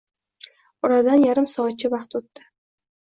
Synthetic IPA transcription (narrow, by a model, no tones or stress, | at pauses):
ʊɾad̪anjaɾɪmsɒːt̪̚t͡ʃʰɪvɑχt̪ot̪ːɪ